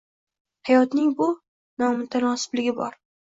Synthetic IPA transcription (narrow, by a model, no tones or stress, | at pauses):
hajɒt̪nɪŋbʊ | nɒmʊt̪ʰanɒsɪ̥blɪɡʲɪbɒ̰ɾ